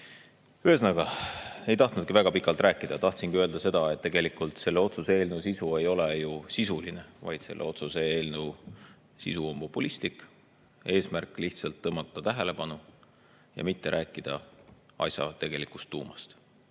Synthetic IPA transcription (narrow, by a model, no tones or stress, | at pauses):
yɦesnɑɡ̥ɑe̞jt̪ɑht̪nud̪̥̚kivæɡ̥ɑpikːˑɑlt̪ɾæːkːˑid̪̥ɑt̪ɑht̪sinɡ̥iøld̪ɑse̞d̪̥ɑet̪ːe̞ɡ̥e̞likːˑult̪se̞lːeo̞t̪susee̞ːlnewsisue̞jo̞lejusisulinevɑ̰jd̪se̞lːḛo̞t̪suseeːlnew | sḭsuompo̞pːˑulist̪ik | e̞ːsmærkːˑliht̪sɑlt̪ːɤmːɑt̪ːˑɑt̪æɦele̞pɑnu | jɑ̰mit̪ːe̞ɾʔæːkːˑid̪̥ɑɑ̰jsʲjɑ̰t̪e̞ɡ̥e̞likust̪ːṵːmɑst̪